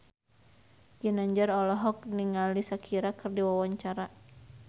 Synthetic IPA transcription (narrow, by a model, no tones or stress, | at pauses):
ɡənaɲd͡ʒaɾɔlɔɦɔk̚niŋalisakʰiɾakɨrdiwawaɲt͡ʃaɾa